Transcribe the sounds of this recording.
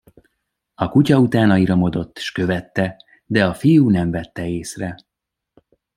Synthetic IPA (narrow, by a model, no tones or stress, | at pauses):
ɒkucɒut̪aːnɒiɾomo̞d̪o̞t̪ːʃkøvɛt̪ːɛ | d̪ɛɒfijuːnɛɱvɛt̪ːɛeːsrɛ